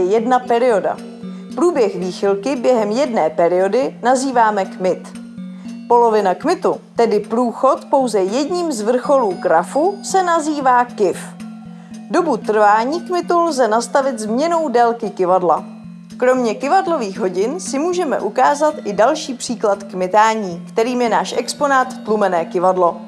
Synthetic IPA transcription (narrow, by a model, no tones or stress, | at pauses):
ɛjɛdnapɛɾɪo̞da̰ | pɾuːbjɛxviːxɪlkɪbjɛɦɛmjɛdnɛːpɛɾɪo̞dɪnaziːvaːmɛkmɪt̪ | po̞lo̞vɪnakmɪt̪ut̪ɛdɪpɾuːxo̞t̪po̞wzɛjɛdɲiːmzvr̩xo̞luːɡɾafusɛnaziːvaːkɪf | do̞but̪r̩vaːɲiːkmɪt̪ulzɛnast̪avɪt̪zmɲɛno̞wdɛlkɪkɪvadla̰ | kɾo̞mɲɛkɪvadlo̞viːɣɦo̞ɟɪnsɪmuːʒɛmɛ̰ʔukaːzat̪ʔɪdalʃiːpr̥iːklat̪kmɪt̪aːɲiːkt̪ɛɾiːmjɛnaːʃʔɛksponaːt̪ft̪lumɛnɛːkɪvadlo̞